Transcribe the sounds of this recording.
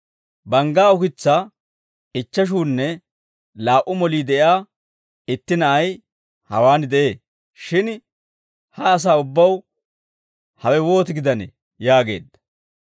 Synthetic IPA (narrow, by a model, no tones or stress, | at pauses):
bɐŋɡaːʊkɪt͡sːa | ɪt͡ʃːɐʃ̬uːnːɛ | laːʔʊmɔliːd̪ɛʔɪaː | ɪt̪ːɪnɐʔɐj | hɐ̰waːnd̪ɛʔe̞ː | ʃɪn | hɐːs̬aːʊbːɐw | hɐwɛwo̞ːt̪ɪɡɪd̪ɐnɛ̰ | jaːɡe̞̰ːd̪ːɐ̥